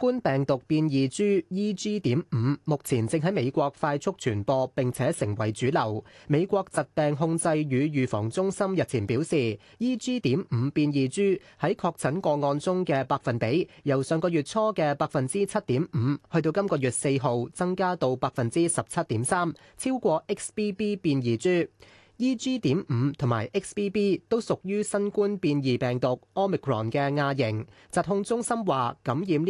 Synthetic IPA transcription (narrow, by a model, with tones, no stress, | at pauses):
kʷuː˥npɛː˨˩ŋt̪ʊ˨k̚piː˧njiː˨t͡syː˥jiː˥t͡syː˥t̪iː˨˥mm̩ː˨˧mʊ˨k̚t͡sʰiː˨˩nt͡sɪ˧ŋɦɐ˨˥jme˨˧jkʷɔː˧k̚faː˧jt͡sʰʊ˥k̚t͡ʃʰyː˨˩npɔː˧pɪ˨ŋt͡sʰɛː˨˥sɪ˨˩ŋwɐ˨˩jt͡syː˨˥lɐ˨˩wme˨˧jkʷɔː˧k̚t͡sɐ˨t̚pɛː˨ŋɦʊ˧ŋt͡sɐ˧jjyː˨˧jyː˨fɔ̰ː˨˩ŋt͡sʊ˥ŋsɐ˥mjɐ˨t̚t͡sʰiː˨˩npiː˨˥wsiː˨˩ | jiː˥t͡syː˥t̪iː˨˥mm̩ː˨˧piː˧njiː˨˧t͡syː˥hɐ˨˥jkʰɔː˧k̚t͡sʰɐ˨˥nkʷɔː˧ŋɔː˧nt͡sʊ˥ŋkɛː˧paː˧k̚fɐ˨npe˨˥jjɐ˨˩wsœː˨˧ŋkɔː˧jyː˨˩t̚t͡sʰɔː˥kɛː˧paː˧k̚fɐ˨nt͡siː˥t͡sʰɐ˥t̚t̪iː˨˥mm̩˨˧hɵ˧ɥt̪o˧wkɐ˥mkɔː˧jyː˨t̚se˧jɦo˨wt͡sɐ˥ŋkaː˥t̪o˧wpaː˧k̚fɐ˨nt͡siː˥sɐ˨p̚t͡sʰɐ˥t̚t̪iː˨˥msaː˥m | t͡sʰiː˥wkʷɔː˧ʔɪ˥k̚spiː˥piː˥piː˧njiː˨t͡syː˥ | jiː˥t͡syː˥t̪iː˨˥mm̩˨˧t̪ʰʊ˨˩maː˨˩jʔɪ˥k̚spiː˥piː˥t̪o˥wsʊ˨k̚jyː˥sɐ˥nkuː˥npiː˧njiː˨pɛː˨˩ŋt̪ʊ˨k̚ʔɔː˥mi˨˩kʰɹɔ̰ː˨˩nkɛː˧ŋaː˧jɪ˨˩ŋ | t͡sɐ˨˩t̚hʊ˧ŋt͡sʊ˥ŋsɐ˥mwaː˨kɐ˨˥mjiː˨mn˥